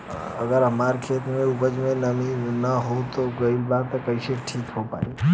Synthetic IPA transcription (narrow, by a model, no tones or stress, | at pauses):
əɡəɾɦəmaɾkʰet̪mẽubəd͡ʒmẽnəminəɦot̪oɡəilbat̪ekəiʃeʈʰiːkɦopa̰i